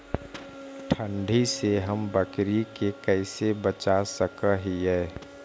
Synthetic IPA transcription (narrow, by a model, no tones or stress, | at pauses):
ʈʰə̃ɳɖʱiseɦəmbəkɾikekɛɪsebət͡ʃasəkəɦiɦɛː